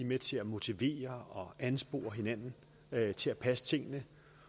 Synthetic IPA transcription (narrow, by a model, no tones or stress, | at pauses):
imet͡sʰe̝æmo̝t͡sʰiʋe̝̰ːɐɒ̽ænsb̥o̝̰ːɐɦe̝næn̰n̩ | t͡sʰe̝læpʰæsə̥t͡sʰe̝ŋ̰nə